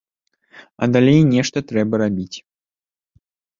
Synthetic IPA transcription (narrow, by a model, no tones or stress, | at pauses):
ɐ̰d̪alʲejnʲɛʂt̪ɐt̪ɾɛbɐɾabʲit͡sʲ